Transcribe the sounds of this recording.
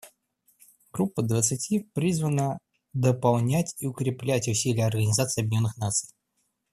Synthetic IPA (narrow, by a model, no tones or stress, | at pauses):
ɡ̥ɾupːəd̪vət̪sɨtʲipɾʲizvənə | d̪əpɐlˠnʲætʲiʊkɾʲɪplʲætʲʊsʲilʲɪjəɐrɡənʲɪzat̪sɨɐb̚ʲnʲo̞nːɨxnat̪sɨj